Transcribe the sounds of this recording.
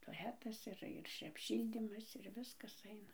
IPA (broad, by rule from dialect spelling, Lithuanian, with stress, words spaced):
toːˈlʲæːtɐs ɪr ɪr ɐpʲˈʃʲiːlʲdʲiːmɐs ɪr ˈʋʲɪskɐs ˈɐɪnɐ